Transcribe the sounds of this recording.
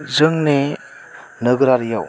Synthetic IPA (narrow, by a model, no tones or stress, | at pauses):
zɯŋne | nɯɡɾaɾjaw